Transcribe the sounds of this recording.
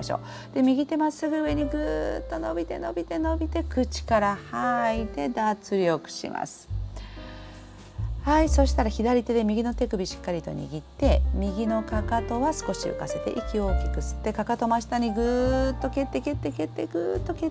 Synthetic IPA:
aɕo̰ː | d̪̥e̞mʲiɡʲit̪e̞masɨɡɯ̟ɯ̟e̞ɲ̟iɡɯːt̪ːo̞no̞bʲit̪e̞no̞bʲit̪e̞no̞bʲit̪e̞kɯ̟t͡ɕi̥kaɾahait̪e̞d̪at͡sɨɾʲio̞kɯ̟̥ɕḭmʔa̰sɨ̥ | haiso̞ɕi̥t̪aɾaçid̪aɾʲit̪e̞d̪e̞mʲiɡʲino̞t̪e̞kɯ̟bʲiɕi̥kːaɾʲit̪o̞̰ɲ̟ʲḭɡʲit̪ːe̞mʲiɡʲino̞kakat̪o̞βasɨ̥ko̞ɕiɯ̰kase̞t̪e̞̰ʔikʲio̞ːkʲi̥kɯ̟sɨ̥t̪ːe̞kakat̪o̞maɕi̥t̪aɲ̟iɡɯːt̪ːo̞ke̞t̪ːe̞ke̞t̪ːeke̞t̪ːe̞ɡɯ̟ːt̪ːo̞ke

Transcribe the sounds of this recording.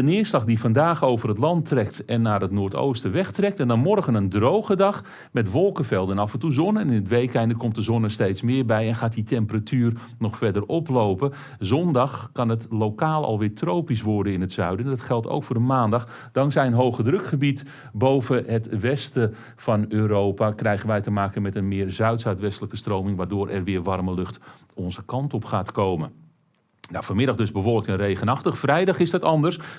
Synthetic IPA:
dənɪːərslɑxdifɑndaːxowvərətlɑntrɛktɛnːaːrətnʊːɹto̰wstəʋɛxtrɛk̚tɛndɔnmɔrɣənəndrowɣədɑx | mɛtʋɔlˠkəfɛlˠdənɑfɛntuzɔnənɪnətʋejkɛjndəkɔmt̚dəzɔnəstejtsmɪːɹbɛjɛnxaːtitʰɛmpəratʰyːr | nɔxfɛdərɔplowpə | zɔndɑxkɑnətlowkaːlˠɑ̰lˠʋɪːtʰrowpisʋɔɹdənɪnətsœɥdəndɔtxɛlˠto̰wkfʊːdəmaːndɑx | d̥ɑŋksɛjənɦowχədrøkχəbit | bowvəɦətʋɛstə | fɑnøːɾowpakrɛjɣənʋɛjtəmaːkəmɛtənmɪːrzœɥtsœɥtʋɛstələkəstrowmɪŋʋaːrdʊːɾʔɛrʋɪːrʋɑrməlɵxt | ɔnzəkɑntɔpχaːtkowmən | nawfoːmɪdɑχdɵzbəvɔlˠək̚tənrejɣənɑχtəχfrɛjdɑχɪsdɑtɑndərs

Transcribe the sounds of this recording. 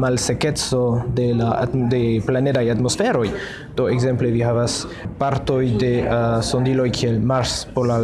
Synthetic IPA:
malseke̞t͡so̞dela̰deplane̞dajatmo̞sfe̞ɾo̞j | d̥o̞ekze̞mple̞viɦavas | paɾto̞jde̞so̞ndilo̞jkʰielmaɾspoɾla

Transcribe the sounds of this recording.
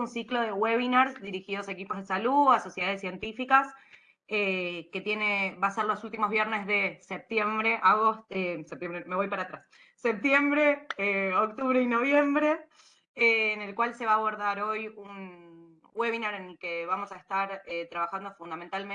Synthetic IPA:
unsiklo̞ð̞e̞ɣweβinaɾsd̪iɾixiðo̞saekipo̞zð̞e̞saluaso̞sjeðaðesje̞nt̪ifikas | eke̞t̪je̞ne̞βaseɾlo̞sult̪imo̞zβjeɾne̞zðe̞sep̚t̪je̞mbɾeʔaɣotesep̚t̪jembɾeme̞βo̞jpaɾat̪ɾasː | ep̚t̪je̞mbɾe̞eok̚t̪uβɾeino̞βje̞mbɾe̞ | eːne̞lkwalse̞βaːβo̞ɾðaɾo̞jun | weβinaɾenelkeβamo̞saest̪aɾet̪ɾaβaxand̪o̞fund̪ament̪alme

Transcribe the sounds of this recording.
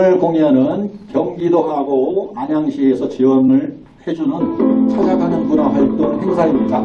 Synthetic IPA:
ɯɭkoŋjʌnɯnkjʌŋɡidoɦaɡoaɲaŋɕʰiesʰʌt͡ɕiwʌmɯɭ | hed͡ʑunɯnt͡ɕʰad͡ʑakʰanɯnɡunaɦaɭ̚t͈oŋɯɭɦe̞ŋsʰaimɲida

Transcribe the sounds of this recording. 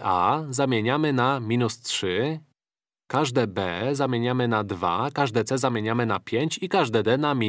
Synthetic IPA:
ʔa̰zamʲjeɲamɘnamʲinustʂɘ | kaʐd̪ɛbɛzamʲjeɲamɘnad̪va̰kaʐd̪ɛt̪sɛzamʲjeɲamɘnapʲjeɲt͡ɕikaʐd̪ɛd̪ɛnamʲi

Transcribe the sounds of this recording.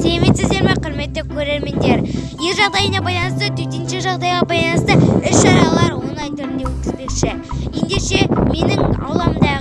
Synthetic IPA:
sæleme̞t̪sɪzd̪e̞ɾmeqʰʊɾme̞t̪ːɪkʲʰɵɾe̞ɾme̞nd̪e̞ɾje̞ɾʒɑʁd̪ɑjənɑbɑjlˠɑnəst̪ət̪ʰɵt̪enʃɪʒɑʁd̪ɑjʁɑbɑjlˠɑnəst̪əɪʃːɑɾɑlˠɑɾwonlˠɑjt̪ʰʏɾɪnd̪ewɵt̪̚kʲɪzbe̞kʃɪ | je̞nd̪e̞ʃe̞me̞nɪŋɑ̰wlˠɑmd̪ɑ

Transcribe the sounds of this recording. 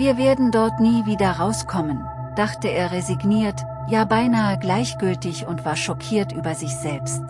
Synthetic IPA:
viːɐveːɐdn̩dɔɐtniːviːdɐʁaʊskʰɔmən | d̥aχtəeːɐʁeziɡniːɐt | jaːbaɪnaːəɡlaɪçɡ̥ʏltɪçʊntv̥aːɐʃɔkʰiːɐtʔyːbɐzɪçz̥ɛlpst

